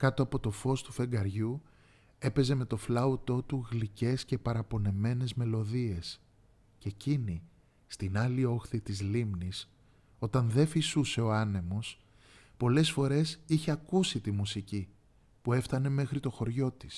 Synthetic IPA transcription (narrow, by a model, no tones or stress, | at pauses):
kɐt̪o̞ɐpo̞t̪o̞fo̞st̪u̥fe̞ŋɡɐɾʝu | e̞pe̞ze̞me̞t̪o̞flɐut̪o̞t̪uɣlice̞sce̞pɐɾɐpo̞ne̞me̞ne̞zme̞lo̞ðie̞s | ce̞cini | st̪inɐlio̞xθit̪izlimnis | o̞t̪ɐnðe̞fisuse̞o̞ɐne̞mo̞s | po̞le̞sfo̞ɾe̞siçe̞ɐkusit̪imusici | pue̞ft̪ɐne̞me̞xɾit̪o̞xo̞ɾʝo̞t̪i̥s